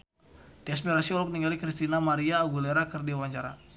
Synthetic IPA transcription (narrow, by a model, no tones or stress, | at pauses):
t̪ias̬miɾasiɔlɔk̚niŋɡalikɾist̪inamaɾiaːɡuleɾakərdiawaɲt͡ʃaɾa̰